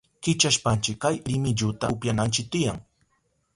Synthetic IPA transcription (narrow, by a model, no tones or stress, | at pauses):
kɪt͡ʃaʃpant͡ʃɪkːajɾɪmɪʎʊt̪aʊpjanant͡ʃɪk̚t̪ɪjaŋ